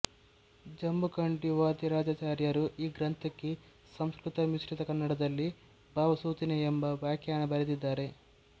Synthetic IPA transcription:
d͡ʒɐmbukɐɳʈiʋaːt̪iɾaːd͡ʒat͡ʃaːɾjɐɾuiːɡɾɐnt̪ʰɐkːe | sɐmskɾut̪ɐmisʈit̪ɐkɐnːɐɽɐd̪ɐlːi | bʱaːʋɐsuːt̪ineembɐʋjaːkjaːɳɐbɐɾed̪id̪ːaːɾe̞

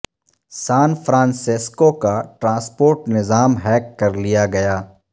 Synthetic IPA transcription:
saːnfɾãːnsɪskokaʈɾãːspoːɾʈnɪzaːmɦɛːkːɐɾlijaɡɐjaː

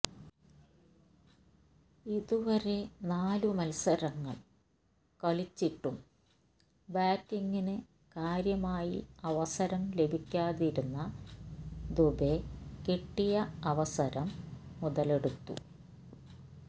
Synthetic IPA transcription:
iðuʋɐɾe̞naːlumɐlsɐɾɐŋːɐɭ | kɐɭit͡ɕːiʈːum | baːkːiŋːinɨ | kaːɾjɐmaːjḭɐʋɐsɐɾɐmle̞bʱikʲːaːðiɾunːɐ | d̪ubekiʈːijɐɐʋɐsɐɾɐmːuðɐle̞ɽut̪ːṵ

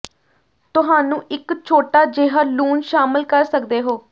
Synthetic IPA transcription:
t̪ʊɦaːnũːʔɪkt͡ʃʰoːʈaːd͡ʒɪɦəluːnʃaːmɪlkəɾsəkd̪eːɦoː

